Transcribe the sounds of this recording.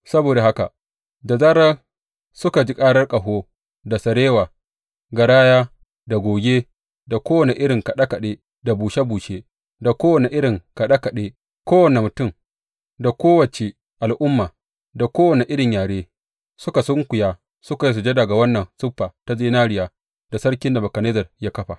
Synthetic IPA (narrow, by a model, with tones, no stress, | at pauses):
sɐ˦boː˨da˨ha˦ka˨ | da˨zɐ˦ɽɐ˦ | sʊ˦ka˨d͡ʒi˦kʼaː˦ɽɐ˦rkʼɐ˨ɦoː˦ | da˨sɐ˨ɾeː˦waː˨ | ɡɐ˨ɽaː˦jaː˦ | da˨ɡʷoː˨ɡʲeː˦ | da˨kʷoː˦wɐ˨ne˨ʔɪ˦ɽɪ˨ŋkɐ˨ɗa˦kɐ˨ɗeː˦ | da˨buː˨ʃe˦buː˨ʃeː˦ | da˨kʷoː˦wɐ˨ne˨ʔɪ˦ɽɪ˨ŋka˨ɗa˦ka˨ɗeː˦ | kʷoː˦wɐ˨ne˨mʊ˨tʊ˦˨m | da˨kʷoː˦wɐ˨t͡ʃe˨ | ʔa˨lʔʊ˦mːaː˨ | da˨kʷoː˦wɐ˨ne˨ʔɪ˦ɽɪ˨ɲjaː˨ɽeː˦ | sʊ˦ka˨sʊ˦ŋkʷʊ˨jaː˦ | sʊ˦ka˨ji˦s̬u˨d͡ʒe˦da˨ɡa˨wɐ˦nːɐ˨nsʊ˦ɸːaː˨ta˦ziː˦naː˦ɽɪ˨jaː˦ | d̥a˨sɐ˦ɽkʲɪ˦nda˨bɐ˨kɐ˨neː˦zɐ˨rjaː˦kɐ˦ɸa˨